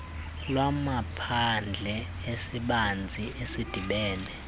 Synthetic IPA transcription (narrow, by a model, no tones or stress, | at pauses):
lwamapʰand͡ɮʱɛ | esiɓand͡zʱiʔesid̥ʱiɓɛːnʱɛ